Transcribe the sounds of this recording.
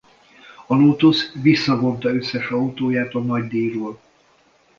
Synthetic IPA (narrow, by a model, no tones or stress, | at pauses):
ɒloːt̪osvisːɒvo̞nt̪ɒøsːɛʃɒut̪oːjaːt̪ɒnɒɟd̪iːroːl